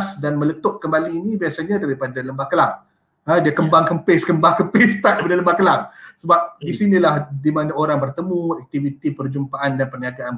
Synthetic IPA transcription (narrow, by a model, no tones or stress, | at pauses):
sdanmə̃lət̪ʊʔ̚kəmbaliːnibiasaɲãdaɾipadaləmbahkəlaŋ | ədiakəmbaŋkəmpeskəmbaŋkəmpest̪adaɾipadaləmbahkəlaŋsəbap̚disinĩlahdimanãoɾaŋbərt̪əmũɛk̚t̪ivit̪ipərd͡ʒumpaʔandanpərniaɡaan